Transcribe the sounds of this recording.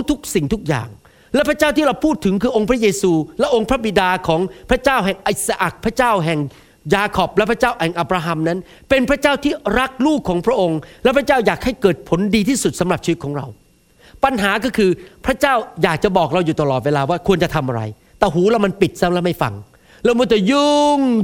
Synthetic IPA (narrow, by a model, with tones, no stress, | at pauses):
t̪ʰu˦˥k̚si˨˩ŋt̪ʰu˦˥k̚ja̰ː˨˩ŋ | lɛ˦˥pʰɾa˥t͡ɕaː˥˩wt̪iː˥˩ɾa˧wpʰuː˥˩t̪ʰːɯ˨˩˦ŋkʰɯː˧ʔo˧ŋpʰɾa˦˥jeː˧suː˧lɛ˦˥ʔo˧ŋpʰɾa˦˥bi˨˩daː˧kʰɔː˩˦ŋpʰɾa˦˥t͡ɕaː˥˩wɦɛ˨˩ŋʔi˨˩t̪̚sa˧ʔa˨˩k̚pʰɾa˦˥t͡ɕaː˥˩wɦɛ˨˩ŋ | jaː˧kʰɔ˨˩p̚lɛ˦˥pʰɾa˥t͡ɕaː˥˩wɛ˨˩ʔa˨˩p̚ɾaː˧ɦa˧mna˦˥n | pe˧npʰɾa˦˥t͡ɕaː˥˩wt̪ʰiː˥˩ɾa˦˥k̚luː˥˩kʰːɔː˩˦ŋpʰɾa˦˥ʔo˧ŋlɛ˦˥pʰɾa˥t͡ɕaː˥˩wjaː˨˩k̚ha˥˩jkɤː˨˩t̪̚pʰo˩˦ndiː˧t̪ʰiː˥˩su˨˩t̪̚sa˩˦mɾa˨˩p̚t͡ɕʰwt̪̚kʰɔː˩˦ŋɾa̰˧w | pa˧nɦaː˩˦kɔː˥˩kʰɯː˧pʰɾa˦˥t͡ɕaː˥˩wjaː˨˩k̚t͡ɕa˨˩bɔː˨˩k̚ɾa˧wjuː˨˩t̪a˧lɔː˨˩t̪̚weː˧laː˧waː˥˩kʰu˧ənt͡ɕa˨˩t̪ʰa˧mʔa˧ɾa̰˧j | t̪ɛː˨˩ɦuː˩˦lɛː˦˥˩wma˧npi˨˩t̪̚sa˦˥mlɛ˦˥˩ma˥˩jfa̰˧ŋ | lɛː˦˥˩wmɔː˧˥˩t̪ɛ˨˩jɯ˧ŋ